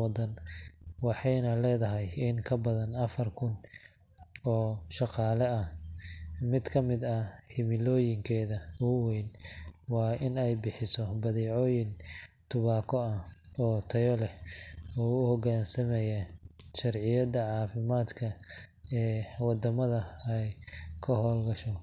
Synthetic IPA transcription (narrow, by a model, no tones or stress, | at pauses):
ɑd̪ɐnwɑħɑjnɐlɛːðɐɦɛjɪŋkʰɐbɐðɐnɐfɐrkʰʊn | ɔːʃɑqɑːlɛɐ | mɪd̪kʰɐmɪd̪ɐhɪmɪlɔːjɪŋkʰɛːðɐʊwɛjnwɑːʔɪnɛjbɪħɪsɔbɐðiːʕɔːjɪnt̪ʰʊβaːkʰɔɐɔːt̪ʰɐjɔlɛɔːʊhɔɣaːnsɐmɛjɐʃɐrʕɪjɐd̪ɐʕɑːfɪmaːd̪kʰɐɛːwɑd̪ɐmɐðɐɛjkʰɐɦɔːlɡɐʃɔ